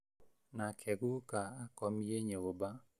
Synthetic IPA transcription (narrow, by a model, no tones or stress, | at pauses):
nakʰɛɡukaakɔmjeɲeoba